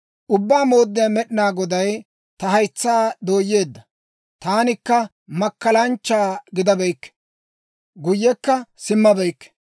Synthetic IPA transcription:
ʔʊbːaːmo̞ːd̪ːɪjɐmɛɗɪnaːɡɔd̪ɐj | t̪ɐhɐjt͡sːaːd̪o̞ːjːe̞ːd̪ːɐ | t̪aːnɪkːɐ | mɐkːɐlɐnt͡ʃːaːɡɪd̪ɐbɛjkːɛ̥ | ɡʊjːɛkːɐsɪmːɐbɛjkːɛ̥

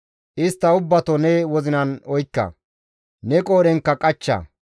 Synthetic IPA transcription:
ʔɪst̪ːɐʊbːɐt̪ɔnɛwɔzɪnɐnɔjkːɐ̰ | nɛkʼoːɾɛŋkːɐkʼɐt͡ʃːɐ̰

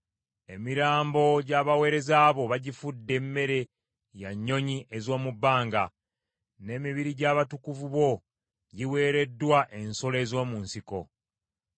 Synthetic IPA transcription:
e̞miɾaːmbo̞ɟaːβawe̞ːɾe̞zaːβo̞βaɟifudːe̞mːe̞ɾe̞ | jaɲːo̞ɲiʔezo̞ːmubːaːŋɡa | ne̞ːmiβiɾiɟaβatukuvuβo̞ | ɟiwe̞ːɾe̞dːwaʔe̞nso̞le̞ːzo̞ːmunsiko̞̰

